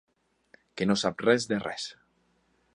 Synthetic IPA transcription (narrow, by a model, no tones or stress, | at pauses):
kenosap̚rezd̪erḛs